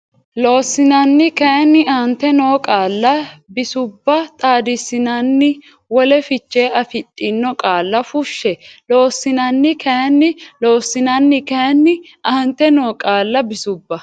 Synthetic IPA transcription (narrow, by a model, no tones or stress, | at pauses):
lo̞ːsːɪnɐnːɪkɐɐnːɪɐnt̪ːɛnoːkʼaːlːɐbɪsʊbːɐt̪ʼaːd̪ɪsːɪnɐnːɪ | wɔlɛfɪt͡ʃːe̞ːɐfɪtʼːɪnːɔkʼaːlːɐfʊʃːɛlo̞ːsːɪnɐnːɪkʰɐjɐnːɪlo̞ːsːɪnɐnːɪkɐɐnːɪ | ʔɐnt̪ɛno̞ːkʼaːlːɐbɪsʊbːɐ